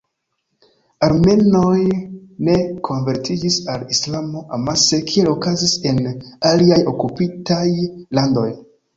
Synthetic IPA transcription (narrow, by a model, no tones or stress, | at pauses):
aɾme̞no̞jne̞kʰo̞nve̞ɾtid͡ʒisalislamo̞ʔamase̞kʰie̞lo̞kazise̞naliajo̞kupitajlando̞̰j